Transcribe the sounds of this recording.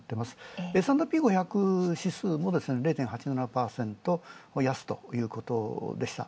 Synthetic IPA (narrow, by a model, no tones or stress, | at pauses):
t̪ːe̞masɨ̥esãnd̪opʲiːɡo̞çakɯ̟ɕisɨːmo̞d̪e̞sɨne̞ɾe̞ːt̪ẽ̞ɰ̃ɦat͡ɕinanapaːsẽ̞nt̪o̞jasɨ̥t̪o̞̰jɯ̟ːko̞t̪o̞̰d̪e̞ɕi̥t̪a̰